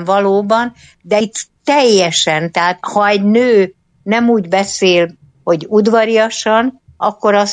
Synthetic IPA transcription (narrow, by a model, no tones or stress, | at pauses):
vɒloːbɒn | d̪ɛt̪ːɛjːɛʃɛnt̪ɛɦaːt̪hɒɛɟnøː | nɛmuːɟbɛseːl | ho̞ɟud̪ʋɒɾijɒʃɒn | ɒkːo̞ɾɒs